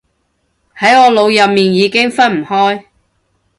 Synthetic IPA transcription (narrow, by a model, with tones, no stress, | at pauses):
hɐ˨˥jɔː˨˧lo˨˧wjɐ˨p̚miː˨njiː˨˧kɪ˥ŋfɐ˥nm̩˨˩hɔː˥j